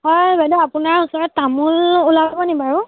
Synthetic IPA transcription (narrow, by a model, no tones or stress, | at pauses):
ɦɔjbɛdɔapʊnaɹusɔɹɔttamululababɔnibaɹʊ